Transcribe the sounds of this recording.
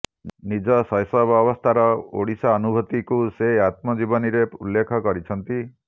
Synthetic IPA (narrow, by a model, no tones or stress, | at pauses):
nid͡ʒɔsɔjsɔbɔbɔst̪ʰaɾɔo̰ɽisaːnubʱɔt̪ikuseat̪mɔd͡ʒibɔniɾeulːekʰɔkɔɾit͡ʃʰɔnt̪i